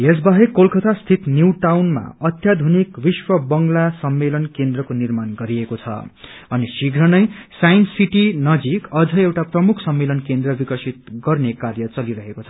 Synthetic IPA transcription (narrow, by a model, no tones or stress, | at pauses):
es̬baɦekolkʌt̪ʰast̪ʰit̪njuwʈawnma̰ʌt̪jad̪ʱonikbiswʌbʌŋɡlasʌmːelʌnkend̪rʌkonirmanɡʌɾiekot͡sʰʌ̰ | ʌnisiɡʱɾʌnʌjsajnsiʈinʌd͡zikʌd͡zʱʌewʈaprʌmukʰsʌmːelʌnkend̪rʌbikʌsit̪̚ɡʌrnekarjʌt͡sʌliɾʌɦekot͡sʰʌ